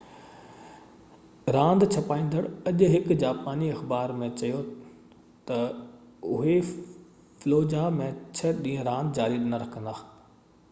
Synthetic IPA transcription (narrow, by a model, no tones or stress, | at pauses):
ɾãːnd̪t͡ɕʰɐpaːĩːnd̪əɽɐʄɦɪkd͡ʑaːpaːniɐxbaːɾmẽt͡ɕɐjo | t̪ɐ | ʊɦe | floːd͡ʑamẽt͡ɕʰɐɗĩːə̃ɾãːnd̪d͡ʑaːɾiɗɪnɐɾɐkʰə̃nd̪aː